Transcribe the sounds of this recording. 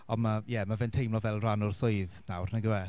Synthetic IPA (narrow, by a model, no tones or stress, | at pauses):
ɔnmajɛmavɛntʰejmlɔvɛlˠranʊrsʊɨðnawrnaɡwɛ